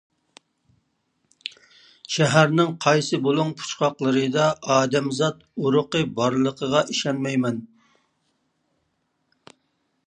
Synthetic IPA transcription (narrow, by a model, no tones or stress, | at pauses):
ʃɛɦæɾnɪŋqʰɑjsɨbolˠuŋpʰu̥t͡ʃqɑqlˠəɾɨd̪ɑɑːd̪ɛmzɑt̪uɾʊqəbɑɾlˠəqʰəʁɑʔiʃɑnmɛjmɛn